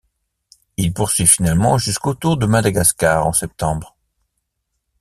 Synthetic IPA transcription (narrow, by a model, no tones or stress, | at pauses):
ilpuʁsɥifinalmɑ̃ʒyskot̪uʁd̪əmad̪aɡaskaːʁɑ̰̃sɛp̚t̪ɑ̃bʁ